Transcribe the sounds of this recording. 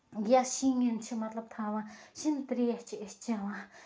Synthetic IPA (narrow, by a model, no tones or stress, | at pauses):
ɡaɕiŋənt͡ɕʰək̚malap̚t̪ʰawaɕənt̪ərjaht͡ɕəht͡ɕaŋwa